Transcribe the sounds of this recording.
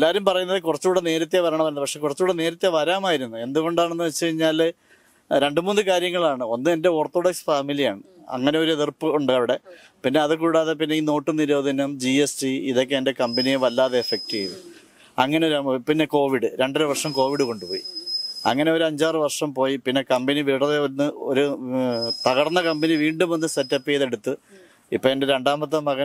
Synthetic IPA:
elːaːɾumpɐrɐjunːɐðɨkurɐt͡ɕːuːɽene̞ːɾɐt̪̬ːjeʋɐɾaːɳɐmpɐɾnðɨpɐkʂekurɐt͡ɕːuːɽene̞ːɾɐt̪ːjeʋɐɾaːmaːjiɾunːue̞nd̪uɣo̞ɳɖaːɳenːɨʋɐt͡ɕːɐɻiɲːaːl | ɾe̞ɳɖɨmuːnːɨkaːɾjɐŋːɐɭaːɳɨo̞nːɨe̞nde̞o̞ːrt̪ːoːɽɐksfaːmilija̰ːɳɨ | ɐ̰ŋːɐne̞o̞ɾueðirpːɨuɳɖaʋiɽe̞ | pinːe̞ɐðɨkuːɽaːðe̞p̬inːe̞ino̞ːʈːɨniɾoːd̪ʱɐnɐmd͡ʑiestiiðo̞kːeende̞kɐmbenijeʋɐlːaːðe̞ːfek̚tiːʋɨ | ɐŋːɐnepinːe̞ko̞ːʋiɽɨɾe̞ɳɖɐɾuʋɐrʂɐmko̞ːʋiɽɨko̞ɳɖupo̞ːjḭɐ̰ŋːɐne̞o̞ɾuɐɲd͡ʑaːrɨʋɐrʂɐmpo̞ːjipinːe̞kɐmbeniʋiːɽɐðeonːɨo̞̰ɾu | t̪ɐɣɐrnːɐkɐmbeniʋiːɳɖumo̞nːɨsetːɐpːijɐðe̞ɽut̪ːɨ | ipːoːende̞ɾe̞ɳɖaːmɐt̪̬ːɐmːɐɣɐ

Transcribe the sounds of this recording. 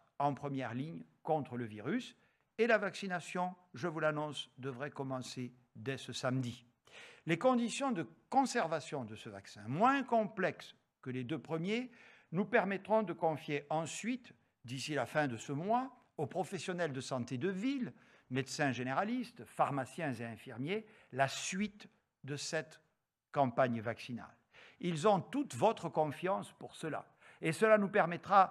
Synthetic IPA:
ɑ̃pχəmjɛʁliɲkɔ̃t̪χələviʁys | elavaksinasjɔ̃ʒəvulanɔ̃sd̪əvʁɛkɔmɑ̃se | d̪ɛsəsamd̪i | lekɔ̃d̪isjɔ̃d̪əkɔ̃sɛʁvasjɔ̃d̪əsəvaksɛ̰̃mwɛ̃kɔ̃plɛks | kəled̪øpχəmje | nupɛʁmɛt̪χɔ̃d̪əkɔ̃fjeʔɑ̃sɥit̪ | d̪isilafɛ̃d̪əsəmwa | opχɔfɛsjɔnɛld̪əsɑ̃t̪ed̪əvil | med̪sɛ̃ʒeneʁalist̪faʁmasjɛ̃zeɛ̃fiʁmje | lasɥit̪ | d̪əsɛt̪ | kɑ̃paɲvaksina̰l | ilzɔ̃t̪ut̪vɔt̪χəkɔ̃fjɑ̃spuʁsəla̰ | esəlanupɛʁmɛt̪χa

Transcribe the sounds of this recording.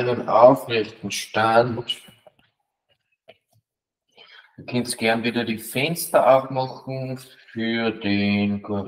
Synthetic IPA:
nəna̰ʊfʁɛçtn̩ʃtant | d̥ukʰɛnstɡ̥ɛɐnviːdɐdiːfɛnstɐʔaʊfmɑχn̩fyːɐdenkʰuʁ

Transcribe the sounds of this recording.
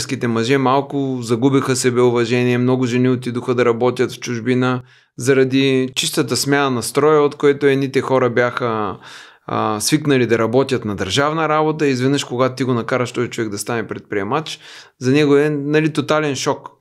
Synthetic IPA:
skit̪ɛmɐʒɛmalˠkʊzɐɡubixəsɛbɛʊvɐʒɛniɛmnɔɡʊʒɛniot̪id̪ʊxəd̪ɐɾɐbɔt̪ʲjət̪ft͡ʃʊʒbinə | zɐɾɐd̪it͡ʃist̪ət̪əsmʲanɐnɐst̪ɾɔjəot̪koɛt̪ʊɛnit̪ɛxɔɾɐbjaxə | sviknɐlid̪ɐɾɐbɔt̪ʲjət̪nɐd̪əɾʒavnɐɾabot̪əiːzvɛd̪nəʃkoɡat̪t̪iɡonɐkaɾəʃt̪ɔzit͡ʃʊvɛɡd̪ɐst̪anɛpɾɛt̪̚pɾiɛmat͡ʃzɐnɛɡʊɛnɐlit̪ot̪alɛnʃɔk

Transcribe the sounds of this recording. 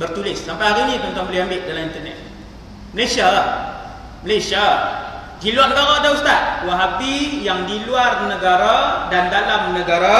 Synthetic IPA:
bərt̪ulɪsːampajaɾinit̪unt̪aŋbəliɦambɪʔdalamint̪ərnɛ̰t̪̚ | məlasia | məlasia | diluarnəɡaɾadaust̪aʔ̚uwaɦapijaŋdiluarnəɡaɾadandalamnəɡaɾa

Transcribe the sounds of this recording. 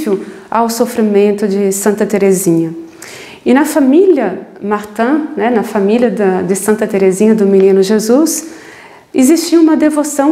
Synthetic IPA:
vʊ | awsofɾimẽnt̪ʊd͡ʒɪsɐ̃nt̪ɐt̪eɾezĩɲɐ | ɪnɐfamiljɐmaɾt̪ɐ̃nɛnɐfamiljɐd̪ɐd̪ɪsɐ̃nt̪ɐt̪eɾezĩɲɐd̪ʊminĩnʊʒezus | ɪzist͡ʃiɐũmɐd̪evosɐ̃w̃

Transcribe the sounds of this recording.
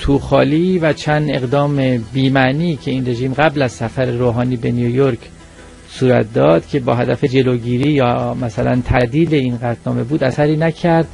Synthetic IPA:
t̪ʰuːxɒ̰ːliːvæt͡ʃʰænd̪e̞ɣd̪ɒːmebiːmæʔniːcʰe̞iːnre̞ʒiːmɢæblæzsæfæɾeɾoːɦɒːniːbe̞niojoɾkʰ | suːɾæ̰t̪̚ʰd̪ɒːd̪̥cʰe̞bɒːɦæd̪æfed͡ʒe̞loɟiːɾiːjɒːmæsælæ̰nt̪ʰæd̪iːle̞inɢæt̪ʰnɒːme̞buːd̪æsæɾiːnæcʰæɾd̪̥

